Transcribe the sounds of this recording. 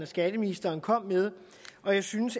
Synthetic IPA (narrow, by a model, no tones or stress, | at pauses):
næsɡ̥æd̥əminisd̥ɐːnkʰɒ̽m̰með̞ˠ | ʔɒ̽jɑ̈ɪsynəs